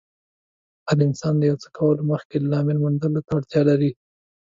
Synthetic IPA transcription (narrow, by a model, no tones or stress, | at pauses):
ad̪aɪnsɑnd̪əjawt͡sə̥kʰawəloməxked̪lɑmɪlmʊnd̪əlot̪aːɽt̪jɑlaɾi